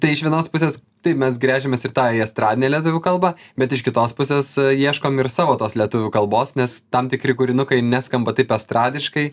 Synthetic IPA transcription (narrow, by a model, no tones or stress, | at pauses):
t̪ɐɪɪʃʋʲiɛnoːspʊsʲeːs | t̪ɐɪpmʲɛsɡɾʲæːʒʲemʲeːsɪrt̪ɑːiɐst̪ɾɑːd̪ʲɪnʲeːlʲɛt̪̬ʊʋʲʊkɐlˠbɑbʲɛt̪ɪʃkʲɪt̪oːspʊsʲeːsjiɛʃkoːmɪrsɑːʋoːt̪oːslʲiɛt̪ʊʋʲʊkɐlˠboːsnʲɛst̪ɐmt̪ʲɪkɾʲɪkʊɾʲɪnʊkɐɪnʲæskɐmbɐt̪ɐɪpɛst̪ɾɑːd̪ʲɪʃkɐɪ